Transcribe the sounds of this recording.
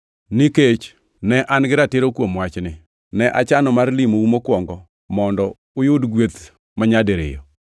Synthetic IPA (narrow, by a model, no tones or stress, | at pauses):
niket͡ʃ | nɛʔanɡɪɾatɪɾokwomwat͡ʃnɪ | nɛʔa̰t͡ʃanɔmarlimoumokwɔŋɡɔ | mɔndɔ | ʊjʊdɡwet̪ | maɲadeɾɪ̰jɔ̰